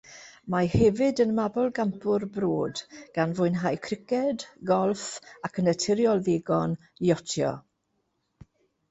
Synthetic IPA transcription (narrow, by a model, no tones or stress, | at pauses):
mahɛvɨdənmabɔlˠɡampʰʊrbroːdɡ̥anvʊɨnɦajkʰrɪkɛdɡɔlˠfakʰənətʰɪɾjɔlˠðeɡɔn | jɔtʰjɔ̰